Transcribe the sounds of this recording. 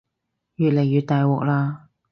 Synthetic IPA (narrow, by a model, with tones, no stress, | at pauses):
jyː˨t̚le˨˩jːyː˨˩t̚t̪aː˨jwɔː˨k̚laː˧